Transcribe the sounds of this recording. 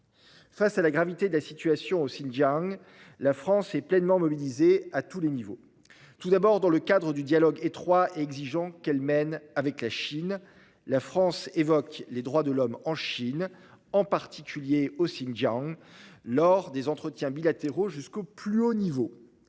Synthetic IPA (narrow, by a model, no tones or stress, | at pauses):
fasalaɡʁavit̪ed̪əlasit̪yasjɔ̃osinʒaŋ | lafχɑ̃sɛplɛnmɑ̃mɔbilizeat̪ulenivo̰ | t̪ud̪abɔʁd̪ɑ̃ləkad̪ʁəd̪yd̪jalɔɡet̪χwaeɛɡziʒɑ̃kɛlmɛnavɛklaʃin | lafχɑ̃sevɔkled̪ʁwad̪əlɔmɑ̃ʃinɑ̃paʁt̪ikʲyljeosinʒãŋlɔʁd̪ezɑ̃t̪χət̪jɛ̃bilat̪eʁoʒyskoplyonivo